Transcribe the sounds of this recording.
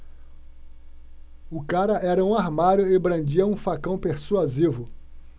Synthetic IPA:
ʊkaɾɐʔɛɾɐũaɾmaɾjʊɪbɾɐ̃d͡ʒiɐũfakɐ̃w̃peɾsuazivʊ

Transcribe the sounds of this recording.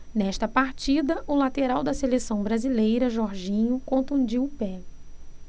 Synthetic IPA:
nɛʃt̪ɐpaɾt͡ʃid̪ɐʔʊlat̪eɾawd̪ɐselesɐ̃w̃bɾazilejɾɐʒɔɾʒĩɲʊkõt̪ũd͡ʒiwpɛ

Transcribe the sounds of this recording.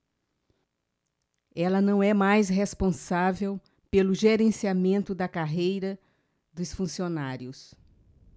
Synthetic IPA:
ɛlɐnɐ̃w̃ɛmajsɦespõsavew | pelʊʒeɾẽsiamẽnt̪ʊd̪ɐkaɦejɾɐ | d̪ʊsfũsionaɾjʊs

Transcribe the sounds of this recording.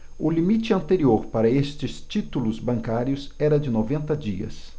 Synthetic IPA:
ʊlimit͡ʃɪɐ̃nt̪eɾioɾpaɾɐest͡ʃɪst͡ʃit̪ulʊzbɐ̃ŋkaɾjʊsɛɾɐd͡ʒɪnovẽnt̪ɐd͡ʒiɐ̰s

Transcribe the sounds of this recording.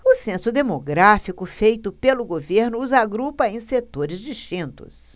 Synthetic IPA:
ʊsẽsʊd̪emoɡɾafikʊfejt̪ʊpelʊɡoveɾnʊːzaɡɾupɐẽj̃set̪oɾɪzd͡ʒiʃt͡ʃĩnt̪ʊ̰s

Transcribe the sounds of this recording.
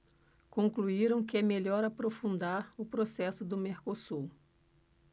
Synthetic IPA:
kõŋkluiɾɐ̃w̃kɪɛmeʎɔɾapɾofũnd̪aɾʊpɾosɛsʊd̪ʊmeɾkosuw

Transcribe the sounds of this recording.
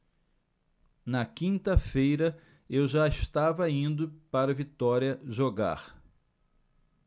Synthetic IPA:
nɐkĩnt̪ɐfejɾɐ | ewʒaeʃt̪avɐĩnd̪ʊpaɾɐvit̪ɔɾiɐʒoɡa̰ɾ

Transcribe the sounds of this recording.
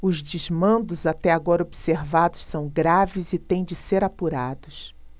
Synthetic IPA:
ʊzd͡ʒizmɐ̃nd̪ʊzat̪ɛaɡɔɾɐobiseɾvad̪ʊssɐ̃w̃ɡɾavɪzɪt̪ẽj̃d͡ʒɪseɾapuɾad̪ʊs

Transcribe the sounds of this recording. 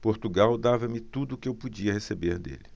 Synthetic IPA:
poɾt̪uɡawd̪avɐmɪt̪ud̪ʊːkɪewpud͡ʒiɐhesebeɾd̪ḛlɪ

